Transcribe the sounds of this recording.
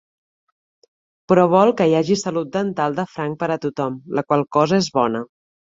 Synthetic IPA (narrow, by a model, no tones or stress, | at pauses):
pɾɔβ̞ɔlˠkəjaʒisəlut̪̚d̪ənt̪alˠd̪əfɾaŋk̚pəɾət̪ut̪ɔmləkwalˠkɔzəezβɔnə